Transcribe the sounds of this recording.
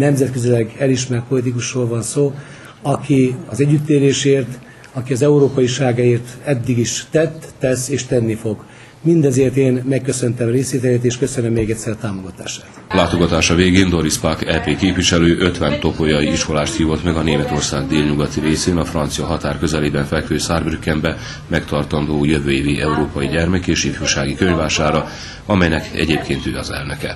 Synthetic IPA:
nɛmzɛt̪̚køzilɛɡɛliʃmɛrt̪̚po̞lit̪̬ikuʃroːlvɒnsoː | ɒkiɒzɛɟːyt̪ːeːɾeːʃeːrt̪ | ɒkiɒzɛuɾoːpɒjiʃaːɡaeːrt̪ɛd̪ːiɡiʃːɛt̪ːɛseːʃt̪ɛnːifo̞ɡ | mind̪ɛzeːrt̪eːnmɛkːøsø̞nt̪ɛmreːsʋeːt̪ɛleːt̪eːʃkø̞sønømːeːɡɛt̪sɛrt̪aːmoɡɒt̪aːʃaːt̪laːt̪o̞ɡɒt̪aːʃɒveːɡeːnd̪o̞ɾispakɛlpeːkeːpviʃɛløːʔø̞t̪ʋɛnt̪o̞pojɒjiiʃko̞laːʃt̪hiːvo̞t̪mɛɡɒneːmɛt̪o̞rsaːɡd̪eːlɲuɡɒt̪iɾeːseːnɒfrɒnt̪sijɒɦɒt̪aːrkø̞zɛleːbɛɱfɛlkføːsaːrbrykːɛmbɛ | mɛkt̪ɒrt̪ɒnd̪oːjøvøːeːviʔɛuɾoːpɒjiɟɛrmɛkeːʃifyːʃaːɡikøɲvaːʃaːɾɒ | ɒmɛjnɛkɛ̰ɟeːpkeːnt̪ø̰ːɒzɛ̰lnøkɛ

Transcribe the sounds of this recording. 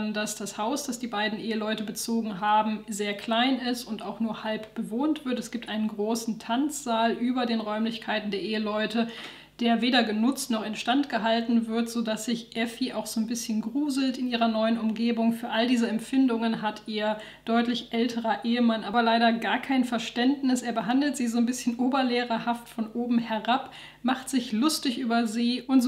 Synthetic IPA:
ndasd̥ashaʊsd̥asd̥iːbaɪdn̩ʔeːəlɔʏtəbət͡soːɡŋ̩ɦaːbm̩zeːɐkʰl̥aɪnɪstʊntaʊxnuːɐhalpb̥əvoːntv̥ɪɐtɛsɡ̥iːp̚tʔaɪnənɡʁoːsn̩tʰant͡sz̥aːlʔyːbɐdeːnʁɔʏmlɪçkʰaɪtn̩deɐʔeːəlɔʏtə | d̥eːɐveːdɐɡənʊt͡stnɔχɛntʃtantɡ̥əɦaltn̩vɪɐtz̥oːdasz̥ɪçʔɛfiʔaʊxz̥oːnbɪsçənɡʁuːzl̩tɪnʔiːʁɐnɔʏənʊmɡeːbʊŋfyːɐʔaldiːzəɛmfɪndʊŋənɦatʰʔiːɐ | d̥ɔʏtlɪçʔɛltʰəʁɐʔeːəmanʔaːbɐlaɪɾɐɡaːɐkʰaɪnfɛɐʃtɛntnɪsʔeːɐbəɦandl̩tz̥iːzoːnbɪsçənʔoːbɐleːʁɐhaftfɔnʔoːbm̩hɛʁap | maχtz̥ɪçlʊstɪçʔyːbɐziːʔʊntz

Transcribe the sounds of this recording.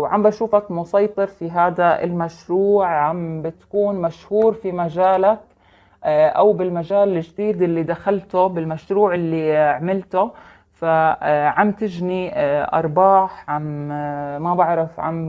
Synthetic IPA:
wʕambʔaʃuːfakmʊsɑjt̪ˤɨɾfiɦaːd̪aɪ̰lmaʃɾuːʕʕambɪt̪kuːnmaʃhuːɾfimaʒaːlak | ʔawbɪlmaʒaːlɪʒd̪iːd̪ʔɪlːid̪axalt̪ʊbɪlmaʃɾuːʕɪlːiʕmɪlt̪ʊ | faʕamt̪ɪʒniʔɑ̰ɾˤbɑːħʕam | mabaʕɾɑfʕa̰m

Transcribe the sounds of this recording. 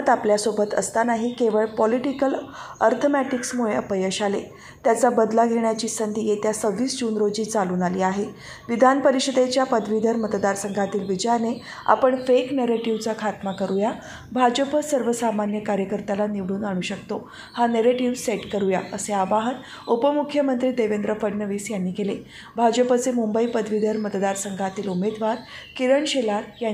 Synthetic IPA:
t̪apljasobət̪ə̰st̪anaɦikeʋəɭpɔliʈikəlɔɾt̪ʰomæʈiksmuɭeəpəjəɕale | t̪jat͡sabəd̪laɡʱeɳjat͡ɕiːsənd̪ʱijet̪jasəʋiːsd͡ʑunɾod͡ʑiːt͡saluːnaliːaɦe | ʋid̪ʱanpəɾiɕəd̪et͡ɕjapəd̪ʱʋid̪ʱəɾmət̪d̪aɾsəŋɡʱat̪iːlʋid͡ʑəjane | a̰pəɳfekneɾeʈiʋt͡sakʰat̪makəɾuja | bʱad͡ʑəpəsəɾʋəsamanjəkaɾjəkəɾt̪alaniʋɽuːnaɽ̃uːɕəkt̪o | haneɾeʈiʋseʈkəɾujaəseaʋaɦət̪ | upəmukʰjəmənt̪ɾiːd̪eʋend̪ɾəfəɖnəʋiːsjanːiːkele | bʱad͡ʑəpət͡semumbəiːpəd̪ʱʋid̪ʱəɾmət̪d̪aɾsəŋɡʱat̪iːlumed̪ʋaɾkiɾəɳɕelaɾja

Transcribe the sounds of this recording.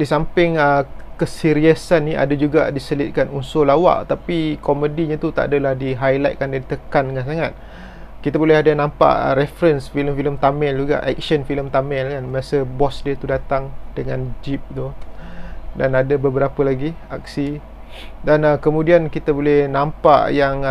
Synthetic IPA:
disampɪŋəkəsiɾiəsanːĩʔa̰dad͡ʒuɡadisəlɪt̪̚kanunsolawa̰ʔt̪apikɔmədiɲat̪ut̪a̰ʔadalahdiɦajlajt̪̚kandadit̪əkandəŋans̬aŋat̪̚ | kit̪abolɛɦadanãmpa̰ʔɾɛfɾənsfiləmfiləmt̪amɛld͡ʒuɡa̰ʔɛk̚ʃənfiləmt̪amɛlkanməɾasəbɔsdiət̪udat̪aŋd̥əŋãnd͡ʒip̚t̪uh | danadabəbəɾapəlaɡia̰k̚si | dankəmũdiankit̪abolɛhnãmpa̰ʔjaŋ

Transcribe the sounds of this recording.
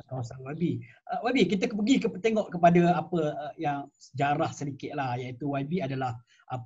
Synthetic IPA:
kawasanwabiʔəwabikit̪əpəɡikəpət̪eŋɔʔkəpadaapəəjaŋsəd͡ʒaɾahsədikɪt̪̚lahjait̪uwabiadalah | ʔa

